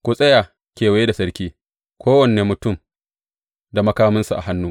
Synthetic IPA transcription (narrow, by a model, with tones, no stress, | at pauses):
kʷu˨sʼɐ˦jaː˨ | kʲeː˨wɐ˨je˦da˨sɐ˦ɾkʲiː˦ | kʷoː˦wɐ˨neː˨mʊ˨tʊ˦˨m | da˨mɐ˦kaː˦mɪ˦nsu˨ʔa̰˨ɦa˦nːuː˦